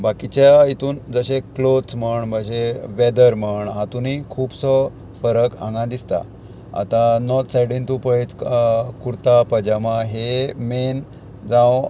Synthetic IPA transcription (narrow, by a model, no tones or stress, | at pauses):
bakit͡ɕjait̪uːnd͡zəɕẽklot̪t͡sməɳbəɕẽʋɛd̪əɾməɳɦãt̪unikʰuːbsɔ | fəɾəkã̰ŋɡãd̪ist̪a̰ | a̰t̪ãnɔt̪sajɽint̪upəit͡skuɾt̪apəd͡ʑamãɦemen | d͡zãw